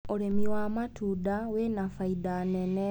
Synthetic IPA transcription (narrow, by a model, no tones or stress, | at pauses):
olemiwaːmatuːdawenafaidanene